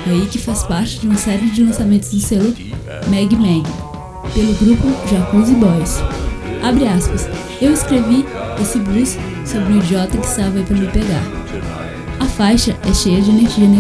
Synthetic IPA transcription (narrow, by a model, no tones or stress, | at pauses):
aikɪfaspaɾt͡ʃɪd͡ʒɪũmɐsɛɾɪd͡ʒɪlɐ̃samẽnt̪ʊzd̪ʊselʊ | mɛɡɪmɛ̃ɡɪ | pelʊɡɾupʊʒakuzɪbɔisabɾiaspɐs | ewɪskɾeviesɪblus | sobɾɪũid͡ʒiɔt̪ɐkɪ̥st̪avɐaipɾɐmɪpeɡa̰ɾ | ɐfajʃɐʔɛʃejɐd͡ʒɪeneɾʒiɐne